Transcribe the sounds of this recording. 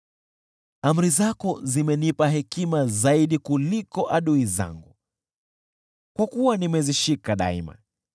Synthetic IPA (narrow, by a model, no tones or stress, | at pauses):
am̩ɾizakɔzimɛnipaɦɛkimazaiɗikulikɔʔaɗuiza̰ŋɡu | kwakuwanimɛziʃikaɗa̰ḭma̰